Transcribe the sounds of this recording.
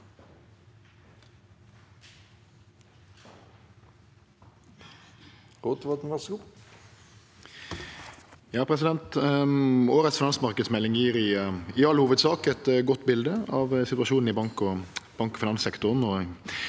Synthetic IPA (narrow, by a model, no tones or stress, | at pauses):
ʁoːt̪ʋɑt̪n̩ʋɑsɡʊ | jɑːpʰɾɛsɪd̪ɛnt̪ | oːɾət̪sfɪnɑnsmɑʁkəd̪smɛlːɪŋjiːɾɪɪɑlːhuːʋəd̪sɑːkɛt̪ɡɔt̪ːbɪld̪əɑʋsɪt̪ʉɑʃuːnn̩ɪbɑŋkɔb̥ɑŋkɔfɪnɑnsɛkt̪ʊʁnɔ